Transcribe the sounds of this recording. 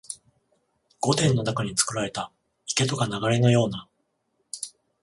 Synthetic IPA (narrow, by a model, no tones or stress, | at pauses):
ɡ̥o̞t̪ẽ̞nːo̞nakaɲ̟it͡sɨ̥kɯ̟ɾaɾe̞t̪a | ike̞t̪o̞kanaɡaɾe̞nojo̞ːna